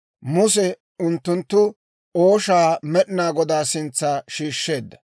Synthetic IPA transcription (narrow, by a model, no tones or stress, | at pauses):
mʊsɛ | ʊnt̪ːʊnt̪ːʊ | oːʃaːmɛɗɪnaːɡɔd̪aːsɪnt͡sːaːʃiːʃːe̞ːd̪ːɐ